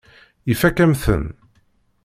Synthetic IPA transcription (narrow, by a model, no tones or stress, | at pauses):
ifækæmθə̰n